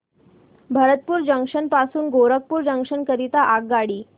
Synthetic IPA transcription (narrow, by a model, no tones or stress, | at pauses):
bʱəɾət̪̚puːɾd͡ʑəŋkʂənpasuːnɡoɾək̚puːɾd͡ʑəŋkʂənkəɾit̪aʔaɡ̚ɡaɽiː